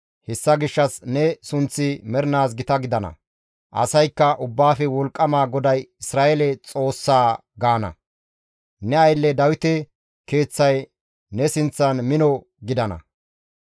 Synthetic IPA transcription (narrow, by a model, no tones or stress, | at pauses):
hɛsːɐɡɪʃːɐsnɛsʊnt͡sːɪmɛɾnaːs̬ɡɪt̪ɐɡɪd̪ɐnɐ̰ | ʔɐ̰sɐjkːɐʔʊbːaːfɛwɔlkʼːɐmaːɡɔd̪ɐjɪsɾaːʔɛlɛt͡sʼo̞ːsːaː | ɡaːnɐ̰ | nɛɐjlːɛd̪ɐwɪt̪ɛ | ke̞ːt͡sːɐj | nɛsɪnt͡sːɐnmɪnɔ | ɡɪd̪ɐnɐ̰